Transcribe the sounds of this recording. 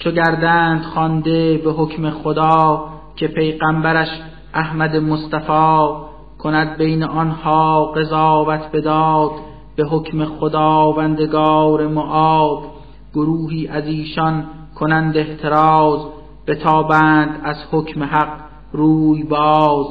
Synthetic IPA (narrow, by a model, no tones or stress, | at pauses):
t͡ʃʰoɟæɾd̪æːnd̪̥χɒnd̪e̞beɦokʰme̞χod̪ɒː | cʰe̞pʰe̞jɣæmbæɾæʃ | ʔæhmæd̪emost̪æfɒː | kʰo̞næd̪̚be̞jneʔɒnhɒːɢe̞zɑːvæt̪ʰbe̞d̪ɒːd̪ | be̞ɦocʰme̞xod̪ɑːvænd̪e̞ɡɑːɾe̞moʔɒːb̥ | ɡ̥oɾuːɦiːʔæziːʃɒn | kʰonænd̪eht̪ʰe̞ɾɑːz | b̥e̞t̪ʰɒːbæːnd̪æzhocʰmeɦæq | ɾuːjbɒːz